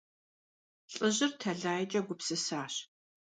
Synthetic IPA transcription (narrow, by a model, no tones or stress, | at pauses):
ɬʼɨʑɪrtʰɐɮaːjɛt͡ʃʼɐɡʷʊpsɨsaːɕ